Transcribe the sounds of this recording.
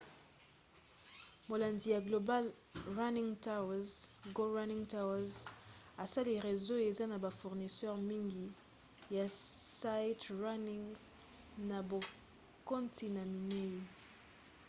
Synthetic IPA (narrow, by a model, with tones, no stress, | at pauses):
mo˨la˨ndi˨ja˨ɡlo˨ba˦l | ʁa˦nĩ˦ŋta˦wa˨zɡo˦ʁa˦ni˦ŋta˦wa˦z | a˨sa˦li˨ʁe˨zo˦e˨za˦na˨ba˨fu˨ʁni˨sɛ˦ʁmi˦ŋɡi˨ | ja˨sa˦tʁa˦ni˨ŋ | na˨bo˨ | ko˦ntʰi˨na˨mi˨ne˦i˦